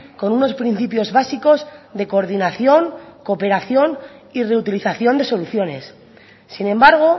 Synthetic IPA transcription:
ko̞nuno̞spɾin̟θipjo̞zβasiko̞zðe̞ko̞ɾðinaθjo̞ŋko̞pe̞ɾaθjo̞nire̞ut̪iliθaθjo̞nd̪e̞so̞luθjo̞ne̞sː | inẽ̞mbaɾɣ̞o̞

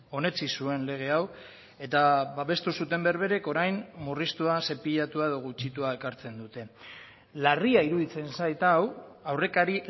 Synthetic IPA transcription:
o̞ne̞t͡sisue̞nle̞ɣ̞e̞aw | e̞t̪aβaβe̞st̪usut̪e̞mbeɾβe̞ɾe̞ko̞ɾajnmurist̪uase̞piʎat̪uae̞ðo̞ɣ̞ut͡ʃit̪uae̞kaɾt͡se̞nd̪ut̪e̞ | lariaiɾuðit͡se̞nsajt̪awawre̞kaɾi

